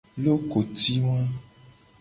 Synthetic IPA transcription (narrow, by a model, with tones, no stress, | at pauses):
lo˦ko˨t̪i˦w̃ã˦